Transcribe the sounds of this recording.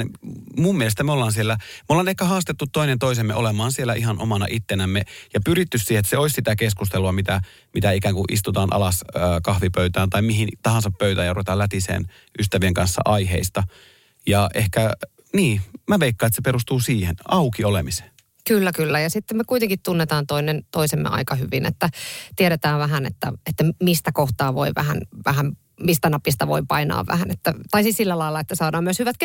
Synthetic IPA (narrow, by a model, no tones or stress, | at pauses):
mumːielest̪æmeolːɑːnsielːæmeolːɑːnehkæhɑːst̪et̪ːut̪t̪ːoinent̪oisemːḛʔolemɑːnsielːæʔihɑnʔo̰mɑnɑ̰ʔit̪ːenæmːejɑpyrit̪ːyssiːhet̪seoisʲsit̪ækeskust̪eluɑmit̪æ | mit̪æikæːŋkuʔḭst̪ut̪ɑːnʔɑ̰lɑsøːkɑhʋipøyt̪æːnt̪ɑimiɦint̪ɑhɑnsɑppøyt̪æjɑruʋet̪ɑːlæt̪isḛːn | ʔyst̪æʋieŋkɑnsːɑ̰ʔɑiɦḛist̪ɑ | jɑʔehkæ | niːmæʋeikːɑːet̪sepeɾust̪uːsiːhenɑukiolemise̥ːn | kylːækylːæjɑsit̪ːemmekuit̪eŋkit̪t̪unːet̪ɑːnt̪oinent̪oisemːḛʔɑ̰ikɑhyʋinḛt̪ːæt̪ieɾet̪æːʋʋæɦænḛt̪ːæ̰et̪ːæmist̪ækoht̪ɑːʋo̰iʋæ̰hæ̰nʋæhæm | mist̪ænɑpːist̪ɑʋo̰ipɑinɑ̰ːʋʋæ̰hænet̪ːæt̪ɑisissilːælɑilːˑɑet̪ːæsɑːdɑːmyøshyʋæt̪k